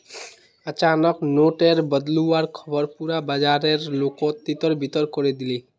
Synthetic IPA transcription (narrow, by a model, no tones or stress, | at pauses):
ət͡ʃanəknoʈeɾbəd̪luaɾkʰɔbəɾpuɾabad͡ʒaɾeɾlokɔt̪ːit̪ɔɾbʱit̪ɔɾkɔɾed̪ili